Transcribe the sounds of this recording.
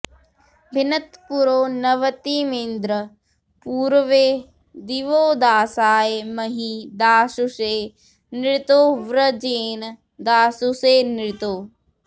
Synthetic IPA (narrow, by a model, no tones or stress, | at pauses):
bʱɪnət̪puɾoːnɐʋət̪imẽːnd̪ɾə | puːɾʋeː | d̪iʋoːd̪aːsaːjemɐɦiːd̪aːsuseː | nɪɾɪt̪oːʋɾəd͡ʒeːn | d̪aːsuseːnɾɭɪt̪oː